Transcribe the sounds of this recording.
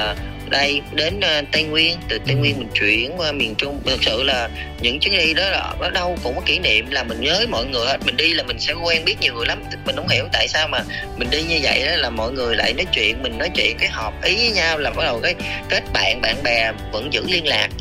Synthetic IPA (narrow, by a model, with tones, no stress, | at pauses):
ɗə˧jɗe˨˦nː˨˧t̪a˧jŋwi˧ənt̪ɨ˨˩t̪a˧jŋwi˧ənmi˨˩ŋ̟t͡ɕwḭ˧˨ənwaː˧mi˨˩ənt͡ɕʊ˧ŋ͡mt̪ʰə˨˩k̚sɨ̰˧˨laː˨˩ | ɲɨ̰˧˥ŋt͡ɕɨ˨˦ŋɗi˧ɗɔ˨˦ɔ˨˦ɗɔ˨˦ɗə˧wkʊ̰˧˥ŋ͡mkɔ˨˦ki˧˩˦nḭ˧˨əmlaː˨˩mï˨˩ŋ̟ɲəː˨˦jmɔ̰˧˨jŋɨ˨˩əjhəː˨˦˥t̚mï˨˩ŋ̟ɗi˧laː˨˩mï˨˩ŋ̟sɛ̰˧˥ku˧ʔɛ˧nɓi˦˥ət̚ɲi˨˩əwŋɨ˨˩jla˨˦m | mï˨˩ŋ̟ɗə˨˦wŋ͡mhi˧˩əwt̪a̰ː˧˨jsaː˧wmaː˨˩mï˨˩ŋ̟ɗi˧ɲɨ˧və̰˧˨jɗaː˨˦laː˨˩mɔ̰˧˨jŋɨ˨˩əjla̰ː˧˨jnɔ˨˦jt͡ɕwḭ˧˨ənmï˨˩ŋ̟nɔ˨˦jt͡ɕwḭ˧˨ənkaː˨˦jɦɔ˨˩p̚ʔi˨˦vəː˨˦jɲaː˧wlaː˨˩mʔɔ̰˧˦˥ɗə˨˩wkaː˨˦jke˦˥t̚ɓa̰ː˧˨nɓa̰ː˧˨nɓɛ˨˩və̰˧˥nzɨ̰˧˥li˧ənlaː˨˩k̚